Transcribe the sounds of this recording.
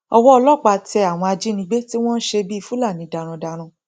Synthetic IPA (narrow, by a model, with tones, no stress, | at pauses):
ɔ˧wɔ˦ɔ˧lɔ˦˨k͡pa˧˨tɛ˧a˨w̃ɔ̃˧a˧d͡ʒi˦nĩ˧˦ɡ͡be˦ti˦w̃ɔ̃˦n̩˦ʃe˧bi˦i˧fu˦la˦˨nĩ˨˦da˧ɾ̃ã˧da˧ɾ̃ã˧